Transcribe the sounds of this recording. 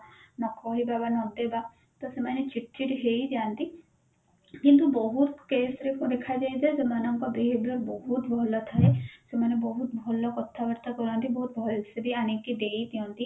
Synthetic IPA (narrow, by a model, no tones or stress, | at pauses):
nɐkɔɦibabanɔ̃d̪eba | t̪ɔsemɛːnet͡ʃɪʈt͡ʃiʈɦeid͡ʒaːnt̪i | kĩnt̪̬ubɔɦut̪keːsɾekod̪ekʰad͡ʒaːed͡ʒ̪aezemaːnãŋkɔbeɦed̪ɾɔɾbɔɦut̪bʱɔlət̪ʰaɦesemɛːnebɔɦut̪̚bʱɔlɔkɔt̪ʰːaʋəɾt̪akɔɾãːnt̪ibɔɦut̪̚bʱɔlsebʱianekiɖeit̪iɔ̃nt̪i